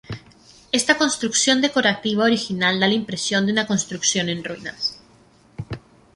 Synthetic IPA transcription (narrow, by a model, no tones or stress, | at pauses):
e̞st̪ako̞nst̪ɾuksjo̞nd̪e̞ko̞ɾat̪iβaoɾixinald̪alaimpɾe̞sjo̞nd̪unako̞nst̪ɾuksjo̞nẽ̞nrwinas